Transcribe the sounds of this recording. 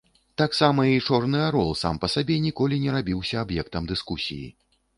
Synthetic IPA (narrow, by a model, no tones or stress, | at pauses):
t̪aksamɐit͡ʂɔrnɨaɾɔlˠsa̰mpɐsabʲɛnʲikɔlʲinʲɛɾabʲiwsʲɐabjɛk̚t̪ɐmd̪ɨskusʲḭjḭ